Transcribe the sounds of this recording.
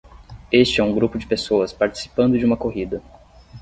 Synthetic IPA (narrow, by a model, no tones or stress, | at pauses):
est͡ʃɪɛũɡɾupʊd͡ʒɪpesoɐspaɾt͡ʃi̥si̥pɐ̃nd̪ʊd͡ʒɪũmɐkoɦid̪ɐ